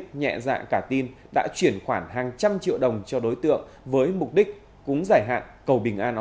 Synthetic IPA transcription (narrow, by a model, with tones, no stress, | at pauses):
ɲɛ̰˧˨za̰ː˧˨kaː˧˩t̪i˧n | ɗa̰ː˧˥t͡ɕwi˧˩ənxwaː˧˩nɦaː˨˩ŋt͡ɕa˧mt͡ɕḭ˧˨əwɗə˨˩wŋ͡mt͡ɕɔ˧ɗo˨˦jt̪ɨ̰˧˨əŋ | vəː˨˦jmʊ˨˩k͡p̚ɗi˦˥k̚ | kʊ̰˧˦ŋ͡mzaː˧˩jɦa̰ː˧˨nkə˨˩wɓï˨˩ŋ̟ʔaː˧nʔ